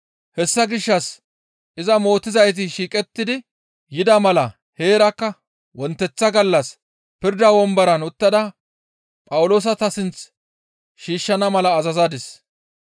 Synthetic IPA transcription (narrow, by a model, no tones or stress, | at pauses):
hɛsːɐɡɪʃːɐs | ʔɪzɐmo̞ːt̪ːɪzɐjt̪̬ɪʃiːkʼɛt̪ːɪd̪ɪ | jɪd̪ɐmɐlɐ | he̞ːɾɐkːɐ | wɔnt̪ːɛt͡sːɐɡɐlːɐs | pɪɾd̪ɐwɔmbɐɾɐnʊt̪ːɐd̪ɐ | pʼɐwʊlo̞ːs̬ɐt̪ɐsɪnt͡s | ʃiːʃːɐnɐmɐlɐːzɐzad̪ɪs